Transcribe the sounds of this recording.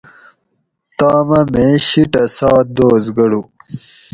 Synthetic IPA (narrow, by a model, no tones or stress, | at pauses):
t̪aːmɐmẽɕiʈɐsɑːt̪̚d̪oːzɡɐɽu